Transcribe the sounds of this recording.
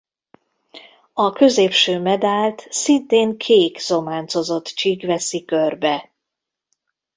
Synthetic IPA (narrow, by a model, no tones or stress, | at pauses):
ɒkø̞zeːpʃøːmɛd̪aːlt̪sint̪eːŋkʰeːkz̥o̞maːnt̪so̞zo̞t̪t͡ʃiɡʋɛsikørbɛ